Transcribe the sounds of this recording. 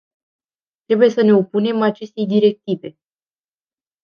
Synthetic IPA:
t̪ɾe̞buje̞səne̞o̞pune̞mat͡ʃe̞st̪e̞jd̪iɾe̞k̚t̪ive̞

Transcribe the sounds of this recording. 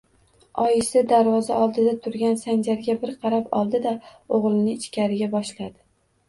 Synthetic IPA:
ɒjɪsɪd̪aɾvɒzaʔɒlˠd̪ɪd̪at̪ʰʊɾɡʲansand͡ʒaɾɡʲabɪɾqʰɑɾapɒ̰lˠd̪ɪd̪aoʁlˠɪnɪːt͡ʃkʲaɾɪɡʲabɒʃlad̪ɪ

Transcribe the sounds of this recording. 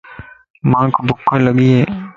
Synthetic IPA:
mãːkbʊkʰːaləɡiɦɛː

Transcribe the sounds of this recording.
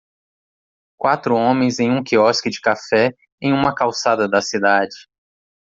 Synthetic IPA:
kwat̪ɾʊõmẽj̃zẽj̃ũkiɔskɪd͡ʒɪkafɛ | ẽj̃ũmɐkawsad̪ɐd̪ɐsid̪ad͡ʒɪ

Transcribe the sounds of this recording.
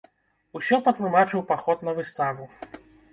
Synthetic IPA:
usʲɔpɐt̪lˠɨmat͡ʂɨwpaxɔt̪nɐvɨst̪avu

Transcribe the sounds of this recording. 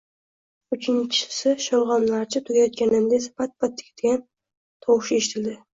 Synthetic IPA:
ʊt͡ʃʰɪnt͡ʃʰɪ̥sɪʃɒwʁɒnlaɾt͡ʃʰɪt̪ʰʊɡʲajɒt̪̚kʲanɪmd̪asɪ̥pat̪̚bat̪̚ʰːɪ̥kʲʰɪ̥t̪ɡʲan | t̪ʰɒwɪʃɪeʃɪt̪ʰɪld̪ɪ

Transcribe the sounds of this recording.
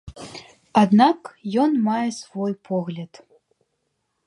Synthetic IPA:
ad̪nakjɔnmajɛsvɔjpʰɔɣlʲɐt̪

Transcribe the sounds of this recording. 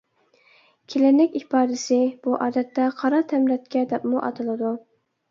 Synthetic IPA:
kʲʰelɪnɪkʲibɑːd̪ɪsɪb̥uʔɑːd̪ɛt̪ːɛqʰɑɾɑt̪ʰɛmɾɛt̪̚kʲɛd̪ɛpmuʔɑ̰t̪ʰɨlˠɨd̪u

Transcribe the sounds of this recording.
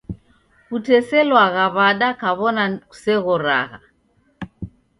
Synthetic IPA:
kutɛsɛlwaɣaβaɗakaβɔnaku̥sɛɣɔɾa̰ɣa̰

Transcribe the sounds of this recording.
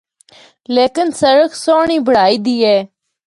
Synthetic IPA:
leːkənsəɾəksoːɳiːbʱəɽaːiːd̪iːɦɛː

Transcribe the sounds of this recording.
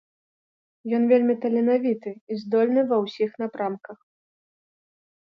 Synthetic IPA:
jɔnvʲelʲmʲit̪ɐlʲɛnavʲit̪ɨizd̪ɔlʲnɨvɐwsʲixn̪apɾamkɐx

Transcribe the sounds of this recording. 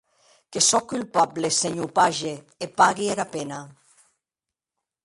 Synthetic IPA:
kesɔkylpableseɲupaʒeː | paɣiaɾapena

